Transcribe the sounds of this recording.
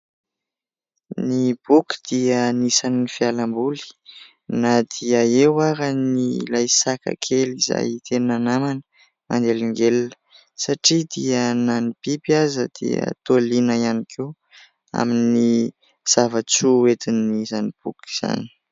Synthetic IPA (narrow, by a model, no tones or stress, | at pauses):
nib̥uki̥d̪̥iənisaniifialambuli̥ | nad̪̥iəewaɾanilajsaka̰kʰeliza̰jit̪eninanamanə | mʔa̰nd̪eliŋɡelnə̥ | saʈ͡ʂid̪iənanipipiazəd̪̥ḭə̰t̪oalinəianikʰe | a̰mini | z̥avat͡suet̪inizanib̥uki̥z̥a̰ni̥